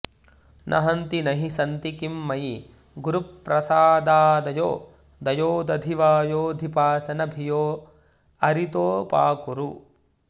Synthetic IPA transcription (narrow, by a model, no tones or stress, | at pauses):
nʔɐ̰ɦɐnt̪inɐɦisɐnt̪ikimːɐji | ɡuɾupːɾɐsaːd̪aːd̪ɐjo̰ː | d̪ɐjoːd̪ɐd̪ʱiʋaːjoːd̪ʱipaːsɐnɐbʱijoː | ɐɾit̪oːpa̰ːkuɾu